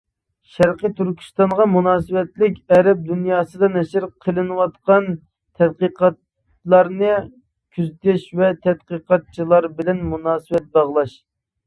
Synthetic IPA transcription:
ʃæɾqət̪ʰyɾkʲʰy̥st̪ɑɴʁɑmunɑːsɨwɛt̪lɪkʲɛɾɛp̚d̪unjɑːsɨd̪ɑnɛʃɪɾqʰəlˠɨnɨwɑt̪qɑn | t̪ʰɛd̪̚qəqɑt̪ | lˠɑɾnɨ | kʲʰyzt̪ɪʃvɛt̪ʰɛd̪̚qəqɑt̪̚t͡ʃʰilˠɑɾbɪlɛnmunɑːsɨwɛt̪̚bɑʁlˠɑʃ

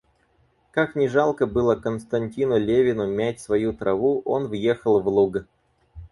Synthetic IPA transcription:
kaknʲɪʐalˠkəbɨlˠəkənst̪ɐnʲtʲinʊlʲevʲɪnʊmʲætʲsvɐjut̪ɾɐvuʔo̞nvje̞xəlˠvlˠuɡə

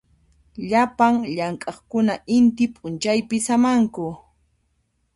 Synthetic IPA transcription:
ʎapaŋʎaŋkʼɑχkʊnaʔɪnt̪ɪpʼʊnt͡ʃajpɪsamaŋkʊ

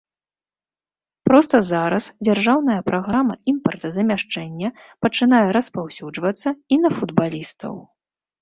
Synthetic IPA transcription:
pɾɔst̪ɐzaɾɐsd͡zʲarʐawnɐjɐpɾaɣɾamɐimpɐrt̪ɐzɐmʲaʂt͡ʂɛnʲːɐ | pɐt͡ʂɨnajɛɾɐspawsʲud͡ʐvɐt̪sːɐinɐfud̪balʲist̪ɐ̰w

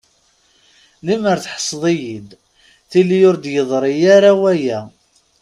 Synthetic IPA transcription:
liməɾθħə̥sˤðˤijid̪ | θilijʊɾd̪jəðˤɾˤijaɾawæjæ

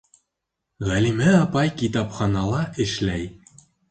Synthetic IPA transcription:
ʁælimæɑpɑjkit̪ɑpχɑnɑlˠɑʔɘ̆ʃlæj

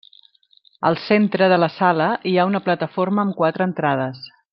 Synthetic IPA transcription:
ə̰lˠsent̪ɾəðələsaləiaunəplət̪əforməːmkwat̪ɾəːnt̪ɾað̞əs

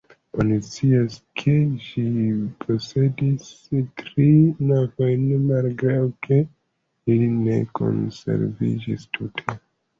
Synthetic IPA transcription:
o̞nit͡siaskʰe̞ʃipʰo̞se̞dis | tɾinavo̞jnmalɡɾawkʰe̞ | iline̞̰ko̞̰nse̞̰ɾvḭd͡ʒḭstʰutʰe

